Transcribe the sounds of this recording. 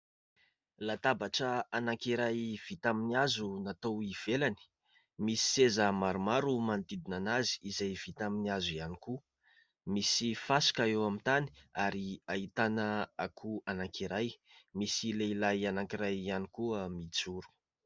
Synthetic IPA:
lat̪abaʈ͡ʂəanaŋkiɾajv̥it̪aminiazunat̪owiv̥elani̥ | misi̥sezəmaɾumaɾumand̪id̪inanazi̥ːzajv̥it̪aminiazuianiku | misifasi̥kaewamit̪ani̥aɾiait̪anəakʰuanaŋkʰiɾajmisileilajanaŋkiɾajanikuəmit͡suɾu̥

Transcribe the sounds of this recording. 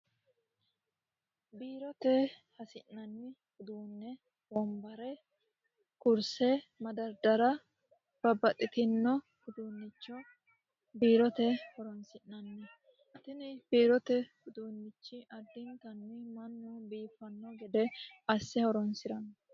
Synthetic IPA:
biːɾɔt̪ɛhɐsɪnːɐnːɪkʊd̪uːnːɛ | bɔmbɐɾɛ | kʊɾsɛmɐd̪ɐɾd̪ɐɾɐ | b̥ɐbːɐt̪ʼːɪt̪ɪnːɔ | ɡʊd̪uːnːɪt͡ʃːɔ | biːɾɔt̪ɛhɔɾɔnsɪnːɐnːɛ | t̪ɪnɪb̥iːɾɔt̪ɛɡʊd̪uːnːɪt͡ʃːɪʔɐd̪ːɪnt̪ɐnːɪmɐnːʊbiːfːɐnːɔɡɛd̪ɛɐsːɛhɔɾɔnsɪɾɐn

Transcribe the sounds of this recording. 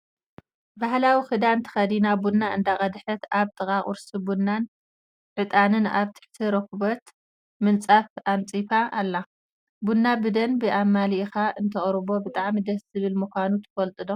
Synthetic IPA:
bahlawixɨd̪ant̪ʰɨ̥xɐd̪inabunːaɨ̰nd̪aχʼɐd̪ħɐt̪aβt̪ʼɨkʼaχʼʊ̰ɾsibunːan | ʕɨt̪ʼanɨnaβt̪ʰɨ̥ħt̪ʰiɾɐkβɐt̪ | mɨnt͡sʼafant͡sʼifaʔːlːa | bunːabɨd̪ɐnbɨʔamːalixaɨnt̪ʰɐχʼɾɨβo̞bɨt̪ʼaʕmid̪ɐzɨβɨlmɨkʷanut̪ʰɨ̥fɐlt̪ʼɨd̪o

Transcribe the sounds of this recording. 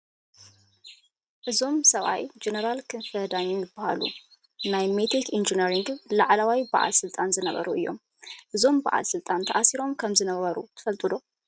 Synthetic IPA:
ʔɨzo̞msɐβa̰jd͡ʒenɐɾalkʰɨnfɐd̪aɲːunjɪbːaha̰lṵ | najmet̪ʰikind͡ʒiniɾiŋɡlaʕlawajbaʔa̰lsɨlt̪ʼanzɨnɐβɐ̰ɾuʔɨjːo̞̰m | ʔɨzo̞mbaʔa̰lsɨlt̪ʼant̪ʰɐʔasiɾo̞mkʰɐmzɨnɐβɐɾṵt̪ʰɨ̥fɐlt̪ʼɨd̪o̞

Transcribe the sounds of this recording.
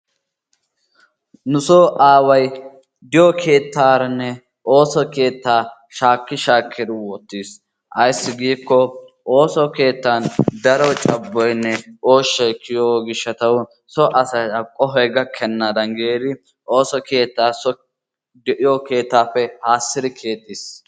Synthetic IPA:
nʊsoːʔaːwɐj | d̪ɪjɔkʰe̞ːt̪ːaːɾɐnːɛ | ʔo̞ːsɔke̞ːt̪ːaː | ʃaːkːɪʃaːkʰːɪd̪ɪwɔt̪ːiːs | ʔɐjsːɪɡiːkːɔʔoːsɔke̞ːt̪ːand̪ɐɾɔt͡ʃʼɐbːɔjnːɛo̞ːʃːɛjkʰːɪjoːɡɪʃːɐt̪ɐw | sɔʔɐsɐɐkʼɔɦɔjɡɐkʰɛnːad̪ɐnɡeːd̪ɪ | o̞ːsɔke̞ːt̪ːaːsɔ | d̪ɛʔɪjɔke̞ːt̪ːaːfːɛhaːsːɪd̪ɪkʰe̞ːt̪ːis

